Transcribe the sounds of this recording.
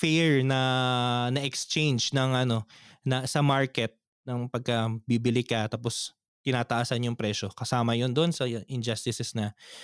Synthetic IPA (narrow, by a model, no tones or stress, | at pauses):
fɛɹnɐnɐʔɛkst͡ʃẽjnd͡ʒnɐŋʔɐno̞nɐsɐmaɹkɛt̪̚ | nɐŋpɐɡ̚kɐbibɪlɪkɐt̪aːpos | t̪ɪnaːt̪ɐʔaːsɐnjʊŋpɾɛʃokɐsaːmɐjond̪oʔonsɐʔɪnd͡ʒɐst̪ɪsɛsnɐ